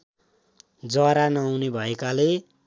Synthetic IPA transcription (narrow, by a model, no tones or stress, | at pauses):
d͡zʌɾanʌːwnebʱʌekale